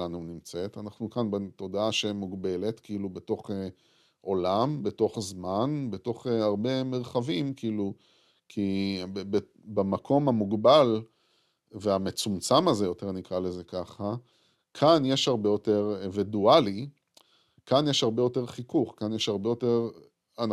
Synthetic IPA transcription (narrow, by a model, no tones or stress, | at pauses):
anunimt͡se̞tanaχnukanbeto̞daaʃeimuɡbe̞le̞tkiilubeto̞χe | ʔo̞lambe̞to̞χzmanbeto̞χaʁbe̞meʁχavimkiilu | kʰibbe | bamakʰo̞mamuɡbal | veame̞t͡sumt͡samaze̞jo̞te̞ʁnikʁale̞ze̞kaχa | kʰanjeʃhaʁbe̞jo̞te̞ʁeveduali | kanjeʃhaʁbejo̞te̞ʁχikuχkanjeʃhaʁbe̞jo̞teʁ | an